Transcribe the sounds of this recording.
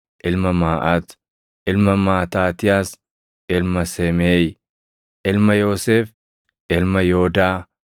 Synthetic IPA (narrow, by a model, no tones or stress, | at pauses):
ʔɪlmɐmaːʔɐt̪ | ʔɪlmɐmaːt̪aːt̪ɪjaːs | ʔɪlmɐsɛmeːj | ʔɪlmɐjoːseːf | ʔɪlmɐjoːd̪aː